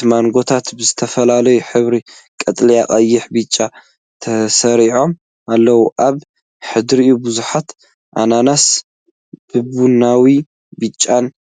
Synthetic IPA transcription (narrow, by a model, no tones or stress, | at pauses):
maŋɡo̞t̪ʰat̪bɨzɨt̪ʰɐfɐlalɐjuħɨβɾi | kʼɐt̪ʼlijakʼɐjːɪħbɨt͡ʃʼːa | t̪ʰɐsɐɾiʕo̞m | ʔalːɐwuʔaβ | ħɨd̪ɾiʔubuzuħat̪ | ʔa̰nanas | b̥ɨbunawi | bɨt͡ʃʼːan